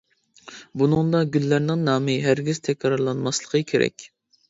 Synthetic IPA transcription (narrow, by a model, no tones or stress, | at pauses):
bunɨŋd̪ɑɡʲylːæɾnɪŋnɑːmɨɦæɾɡʲiz̥t̪ʰɛkʲʰɾɑɾlˠɑnmɑslˠəqʰəkʲʰeɾɛ̰kʲ